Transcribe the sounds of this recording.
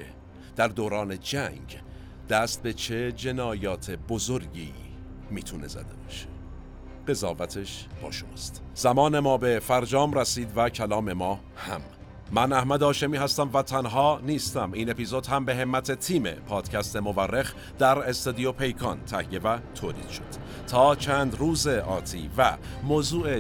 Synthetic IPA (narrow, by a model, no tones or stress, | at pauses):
e | d̪̥æɾd̪oːɾɒːne̞d͡ʒæŋɡ | d̪̥æst̪̚be̞t͡ʃʰe̞d͡ʒe̞nɒːjɒːt̪ʰe̞bozoɾɟḭː | miːt̪ʰune̞zæ̰d̪e̞̰bɒːʃe̥ | ɢ̥e̞zɒːvæt̪ʰe̞ʃb̥ɒ̰ːʃomɒːst̪ | z̥æmɒːne̞mɒːbe̞fæɾd͡ʒɒːmræsiːd̪væcʰælɒːme̞mɒː | hæ̰mː | ænæhmæd̪ɒːʃe̞miːhæst̪æmvæt̪ʰænɦɒːniːst̪æmiːne̞pizod̪̥hæmbe̞ɦe̞mːæt̪ʰe̞t̪ʰiːme̞̰pʰɒːd̪̥cʰæst̪e̞mo̞værːe̞x | d̪̥æɾest̪ɑd̪ijopʰe̞jkʰɒnt̪ʰæhje̞væt̪ʰoːliːd̪̥ʃod̪̥ | t̪ʰɒːt͡ʃʰæːnd̪ruːze̞ʔɒːt̪ʰḭːvæmoːzuːʔe